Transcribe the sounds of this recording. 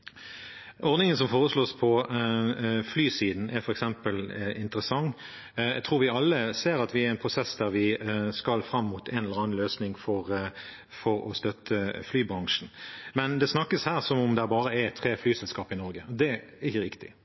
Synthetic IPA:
ʔɔɾd̪nɪŋəns̬ɔmfoːʁəsloːspʰɔ | flyːsiːd̪n̩ʔɛfɔɾɛksɛmpəlʔɪnt̪əɾəsɑŋː | jæ̰t̪ʰɾuːɾʋɪɑlːəseːɾɑt̪ʋɪæɾɛnpʰʁʊsɛsd̪æɾʋɪskɑlfɾɑmːuːt̪ʰɛnɛləʁɾɑːnn̩løːsnɪŋfɔʁ | fɔɾɔ̰st̪œt̪ʰːəflyːbɾɑŋʂn̩mɛnd̪ɛsnɑkːəshæːʁsɔmʊmd̪ɛæːɾbɑːɾəɛɛt̪ʰːɾeːflyːsɛlskɑːpɪnɔɾɡəɔd̪ɛ | ɪçəɾɪkt̪ɪ̰

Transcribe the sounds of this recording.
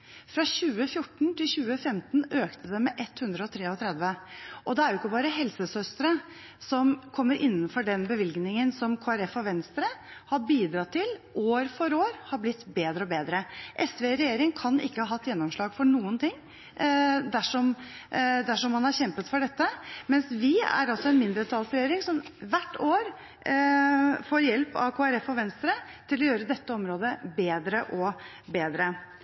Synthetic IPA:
fɾɑɕʉːəfjʊʈːɳ̩t̪ʰɪlɕʉːəfɛmt̪nøːkt̪ʰəd̪ɛmɛʔɛt̪hʉnd̪ɾəɔt̪ʰɾeːɔt̪ʰɾɛd̪ʋəʔɔd̪ɛæɾjʊɪkːəbɑːɾəɦɛlsəsœst̪əɾə | sɔmkʰɔmːəɾʔɪnːənfɔɖɛnbəʋɪlɡnɪŋənsɔmkʰoːæɾɛfɔʋɛnst̪ɾəhɑbiːd̪ɾɑt̪ʰːɪlʔoːɾfɔɾoːɾhɑɾblɪt̪ːbeːd̪ɾəɔbeːd̪ɾəʔɛsʋeːɾɛjeːɾɪŋkʰɑnɪ̰kːəhɑːɦɑt̪ːjɛnːɔmʂɭɑːɡfɔɳuːənt̪ʰɪŋː | d̪æʂɔm | d̪æʂɔmhɑnhɑɾçɛmpət̪fɔɖɛt̪ːəmɛnsʋɪæ̰ɾɑlsɔɛnmɪnd̪ɾət̪ʰɑlsɾɛjeːɾɪŋsɔmʋæʈːoːɾ | foːɾjɛlpɑ̰kʰoːæɾɛfɔʋɛnst̪ɾət̪ʰɪlɔjøːɾəd̪ɛt̪ːəɔmɾoːd̪əbeːd̪ɾəʔɔ | beːd̪ɾə

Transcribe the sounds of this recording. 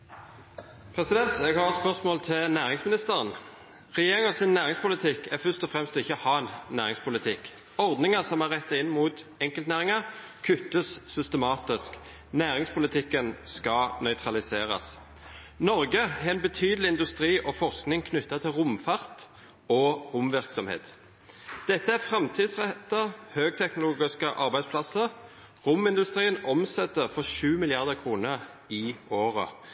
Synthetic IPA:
pʰʁɛsɪd̪ɛnt̪ɛɡhɑʁspœʁsmoːlt̪ʰɪlnæːʁɪŋsmɪnɪst̪əʁən | ʁɛjeːʁɪŋɑsɪnːæːʁɪŋspʊlɪt̪ʰɪkæfœst̪ɔfʁɛmst̪ɪçːəhɑːnnæːʁɪŋspʰʊlɪt̪ʰɪk | ɔʁd̪nɪŋɑsɔmæʁɛt̪ːɑɪnːmuːt̪ | ɛŋkəlt̪næːʁɪŋɑʁ | kʰʉt̪ːəssʏst̪əmɑːt̪ɪsk | næːʁɪŋspʰʊlɪt̪ʰɪkːənskɑnœʏt̪ʰʁɑlɪseːʁɑ̰s | nɔʁɡəæʁɛnbɛt̪ʰyːd̪əlɪɪnd̪ʉst̪ʁiːʔɔfɔʁsknɪŋkʰnʏt̪ːɑt̪ʰɪlʁʊmfɑʁt̪ | ɔʁʊmʋɪʁksɔmhḛːt̪ | d̪̥ɛt̪ːəæʁfʁɛmt̪ʰiːd̪sʁɛt̪ːəhøːɡ̚t̪ʰɛknʊluːɡɪskəʔɑʁbæɪspʰlɑsəʁ | ʁʊmɪnd̪ʉst̪ʁiːənɔmsɛt̪ːəʁfɔʁʃʉːmɪlɪɑʁd̪əʁkʰʁuːnəʁ | ɪoːʁə̰

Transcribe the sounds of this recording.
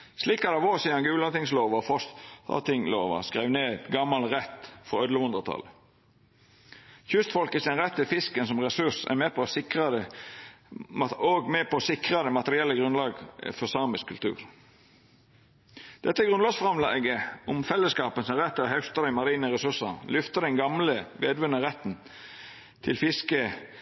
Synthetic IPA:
sliːkɑd̪ɑʋosiːɑnɡʉːlɑt̪ɪŋsloːʋɑfɔsɑ̰t̪ɪŋlo̰ːʋɑ̰skʁɛʋneːd̪ɡɑmːɑlʁɛt̪fɔɾœd̪ləhʉnd̪ʁət̪ʰɑ̰lə | çʉst̪fɔlkəsɛnʁɛt̪ʰːɪlfɪskənsɔmʁɛsʉsæ̰mɛːpʰɔsɪkʁɑd̪ə | ɑoːɡmɛpɔsɪkʁɑd̪əmɑt̪əɾɪɛlːəɡʁʉnlɑːɡfɔsɑːmɪskʰʉlt̪ʰʉ̰ːʁ | d̪̥ɛt̪ːəɡʁʉnlɑːɡsfʁɑmlɑ̰ːɡəʊmfɛlːəskɑːpənsɛʁɛt̪ːɪlhœst̪ɑɾɛmɑɾiːnəʁɛsʉsɑnlʏft̪əd̪ɛnɡɑmləʋeːd̪ʋʉnəʁɛt̪ːn | t̪ʰɪlfɪskə

